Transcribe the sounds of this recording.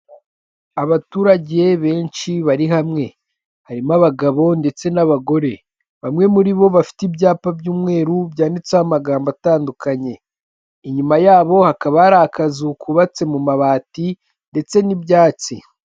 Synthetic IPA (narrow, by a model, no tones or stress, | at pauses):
aβatuːɾaɟe̞βe̞ːnʃiβaɾiɦamŋe̞ | haɾimaβaɡaβo̞nde̞t͡se̞naβaɡo̞ɾe̞ | βamŋe̞muɾiβo̞βafi̥tibjaːpabjuːmŋe̞ːɾubjaːndit͡sahamaɡaːmbataːndukʰaɲe̞ | iɲumajaːβo̞hakaβaɾahakazukuβat͡se̞mumaβaːti | nde̞t͡se̞nibjaːt͡si